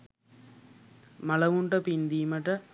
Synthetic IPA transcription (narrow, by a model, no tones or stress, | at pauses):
mɐɭɐʋuɳɖɐpind̪iːmɐʈːɐ